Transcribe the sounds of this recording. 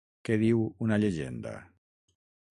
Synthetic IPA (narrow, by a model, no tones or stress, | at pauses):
keðiwunaʎeʒend̪a̰